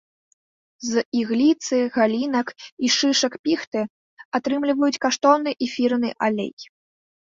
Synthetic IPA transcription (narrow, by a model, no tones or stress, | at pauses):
ziɣlʲit̪sɨɣalʲinɐkiʂɨʂɐkpʲixt̪ɨ | at̪ɾɨmlʲivɐjut͡sʲkaʂt̪ɔwnɨʔɛfʲirnɨʔalʲḛj